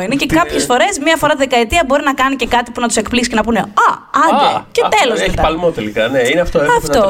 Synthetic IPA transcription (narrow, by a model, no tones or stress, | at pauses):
inecekɐpçesfo̞ɾe̞zmɲɐfo̞ɾɐt̪iðekɐet̪iɐbo̞ɾinɐkɐnice̞kɐt̪ipunɐt̪usekpliksi̥cenɐpune̞ɐɐnd̪ecet̪e̞lozeipɐlmot̪elikɐneineɐft̪oɐft̪o